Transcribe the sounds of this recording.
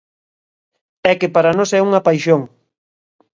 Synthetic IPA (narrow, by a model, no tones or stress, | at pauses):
ɛkɪpaɾɐnosɛuŋɐpajʃoŋ